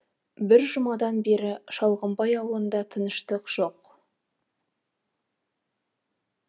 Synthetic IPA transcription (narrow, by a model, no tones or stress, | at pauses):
bɪɾʒʊmɑd̪ɑnbe̞ɾɪʃɑlˠʁəmbɑjɑwəlˠənd̪ɑt̪ʰənəʃt̪əqʒ̥o̞q